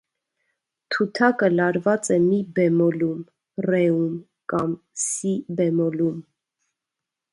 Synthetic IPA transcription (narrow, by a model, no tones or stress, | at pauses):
t̪ʰut̪ʰɑkəlɑɾvɑt͡sɛmibɛmɔlum | rɛum | kɑm | sibɛmɔlum